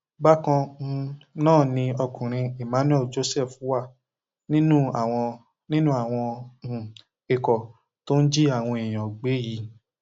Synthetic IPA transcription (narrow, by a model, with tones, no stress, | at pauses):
ba˦kã˧˦˧ | nãː˦˨nĩ˧ɔ˧kũ˨ɾ̃ĩ˧e˨ma˨˦nũ˦ɛ˦˨d͡ʒo˨˦sɛ˦˨fwa˦˨ | nĩ˦nũ˦a˨w̃ɔ̃˧ | nĩ˦nũ˦a˦˨w̃ɔ̃˧˨ | e˧kɔ˨ | to˦n̩˦d͡ʒi˦a˦˨w̃ɔ̃˧e˨j̃ɔ̃˨ɡ͡be˨˦ji˨˦